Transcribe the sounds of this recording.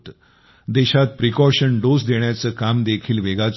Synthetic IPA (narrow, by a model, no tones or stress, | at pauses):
t̪ | d̪eɕat̪̚pɾikɔɕəɳɖosd̪eɳjat͡səːkamd̪ekʰiːlʋeɡat͡s